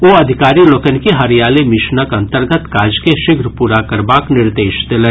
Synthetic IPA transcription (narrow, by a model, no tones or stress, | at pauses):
ʋoːɐd̪ʱɪkaːɾiloːkənkeɦɐɾijaːlemɪʃnəkɐ̃nt̪əɾɡət̪kaːd͡ʒkeʃɪɡɾpuːɾakɐɾbaːknɪɾd̪eːʃd̪ɪlɛ̃